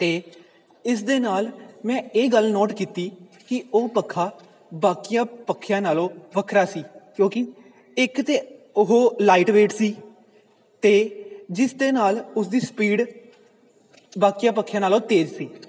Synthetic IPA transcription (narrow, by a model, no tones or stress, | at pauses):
t̪eː | ɪsd̪eːnaːlmɛ̃ːeːɡəlnoːʈkiːt̪iː | kɪoːpəkʰːaː | baːkijãːpəkʰːɪjãːnaːlõːʋəkʰɾaːsiːkjõːkɪ | ɪkt̪eːʊɦoːlaːiːʈʋeːʈsiː | t̪eːd͡ʒɪsd̪eːnaːlʊsd̪iːspiːɖ | baːkiːjãːp̬əkʰːjãːnaːlõːt̪eːd͡ʒsiː